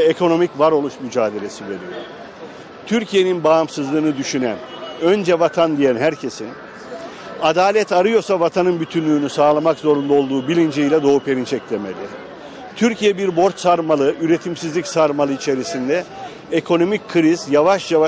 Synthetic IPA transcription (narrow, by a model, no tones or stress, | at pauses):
ɛekʰo̞no̞micvaɾo̞lˠuʃmyd͡ʒaːd̪e̞lʲe̞sive̞ɾḭjo̰ | t̪ʰyɾcʰije̞ninbaːmsɯzlˠɯːnɯd̪yʃynæ̰n | ø̞nd͡ʒɛvat̪ʰand̪ijænɦæɾcʰe̞sin | ad̪aːlʲɛt̪aɾɯjo̞ɾsavat̪ʰanɯnbyt̪ʰynlʲyːnysaːlˠamakzo̞ɾund̪ao̞lˠd̪uːbilʲind͡ʒejlʲɛd̪o̞upʰe̞ɾint͡ʃʰɛclʲeme̞lʲi | t̪ʰyɾcʰijɛbiɾbo̞ɾt̪saɾmalˠɯʔyɾe̞t̪ʰimsizlʲicsaɾmalˠɯit͡ʃʰe̞ɾisind̪ɛ | ekʰo̞no̞micʲkʰːɯɾizjavaʃjava